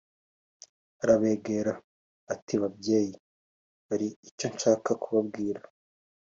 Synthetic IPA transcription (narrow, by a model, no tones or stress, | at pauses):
aɾaβe̞ːɡe̞ɾaː | tiβabje̞ːji | βaɾiico̞nt͡ʃaːkakuβab̚ɡiːɾa